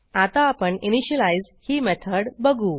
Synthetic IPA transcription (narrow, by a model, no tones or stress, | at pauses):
at̪aːpəɳiniɕəlaiz | hiːmɛt̪ʰəɽbəɡʱuː